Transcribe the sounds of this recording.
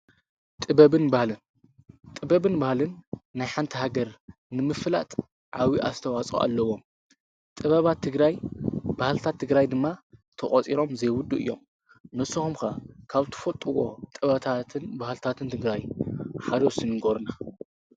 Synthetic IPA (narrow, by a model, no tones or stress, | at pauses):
t̪ʼɨbɐβɨnbahlɨn | t̪ʼɨbɐβɨnbahlɨnːajħant̪ʰɐhaɡɐɾ | nɨmɨfla̰t̪ʼ | ʕawiʔa̰st̪ʰɐwat͡sʼṵʔa̰lːɐwo̞m | t̪ʼɨβɐβat̪ʰːɨɡɾajbahlɨt̪ʰat̪ʰːɨɡɾajd̪ɨmːat̪ʰɐχʼɔt͡sʼiɾo̞mzejwʊd̪ːuʔɨ̰jːom | nɨsːɨxumkakʰaβt̪ʰɨ̥fot̪ʼɨwo̞̰t̪ʼɨβɐt̪ʰat̪ʰɨnbahlt̪ʰat̪ʰɨnt̪ʰɨɡɾajħad̪osɨnɨɡoɾna